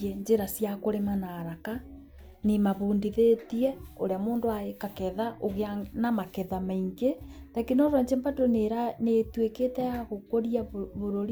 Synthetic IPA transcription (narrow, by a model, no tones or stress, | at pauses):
ɛɲd͡ʒeɾasjakoɾemanaɾaka | nimaβoːndiðetiɛo̰ɾeamoːndoaekakɛðaʔoɣeanamakɛðamaiŋɡetakinɔɾɔɲd͡ʒembatoneɾanetweketɛaɣokoɾiaβoɾoɾi